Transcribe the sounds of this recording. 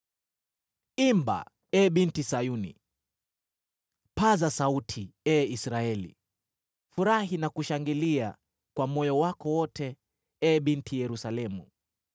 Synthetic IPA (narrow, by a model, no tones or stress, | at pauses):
imba̰ | ɛɓintisajunḭ | pazasautʰiɛisɾaɛlḭ | fuɾaɦinakuʃaŋɡilia | kwamɔjɔwakɔwɔtʰɛ | ɛɓintʰijɛɾusalɛmu